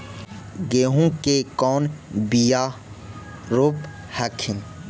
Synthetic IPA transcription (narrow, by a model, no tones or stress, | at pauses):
ɡeɦũkekɔːnbijaː | ɾoːp | hakʰin